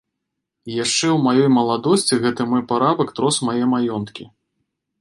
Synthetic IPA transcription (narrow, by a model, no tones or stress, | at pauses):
ijaʂt͡ʂɛwmajɔjmɐlˠad̪ɔsʲt͡sʲiɣɛt̪ɨmɔjpaɾabɐkt̪ɾɔsmajɛmajɔnt̪kʲi